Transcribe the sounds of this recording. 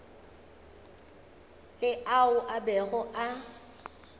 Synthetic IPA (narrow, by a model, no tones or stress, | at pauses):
lɪʔaʊʔabɛɣʊʔa